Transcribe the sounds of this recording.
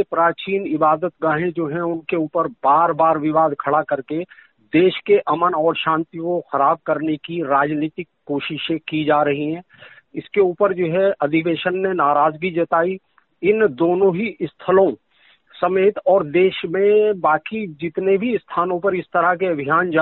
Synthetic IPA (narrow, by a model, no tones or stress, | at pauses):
epɾaːt͡ʃiːnɪbaːd̪ət̪ɡaːɦẽd͡ʒoːɦɛ̃ʊnkeuːpəɾbaːɾbaːɾʋɪʋaːd̪kʰɐɽakɐɾke | d̪eːʃkeʔɐmənɔːɾʃãːnt̪ikoxɐɾaːb̚kɐɾnekiɾaːd͡ʒniːt̪ɪkːoːʃɪʃẽkid͡ʒaːɾɐɦiɦɛ̃ː | ɪskeuːpəɾd͡ʒoːɦɛɐd̪ʱɪkeːʃənːenaːɾaːd͡ʒɡid͡ʒɐt̪aːi | ɪnd̪oːnõɦiʔɪst̪ʰəlõ | sɐmeːt̪ɔːɾd̪eːʃmẽbaːkid͡ʒɪt̪nebʱiɪst̪ʰaːnõpəɾɪst̪əɾakeɐbʱijaːnd͡ʒa